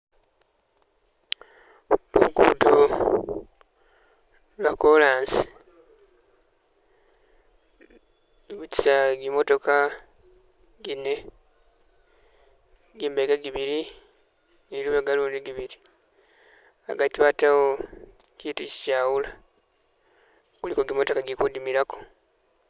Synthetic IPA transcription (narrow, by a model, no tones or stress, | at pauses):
lṵɡṵːto | lwakolaːnsi̥ | βuci̥saɡimo̞to̞ka | ɡine | ɡiːmbeɡaɡiβiɾi | eiɾuβeɡaluːndiɡiβiɾi | a̰ɡatiβatawo | ciːtuci̥caːwula | kulikoɡimo̞to̞kaɡikudimiɾako̥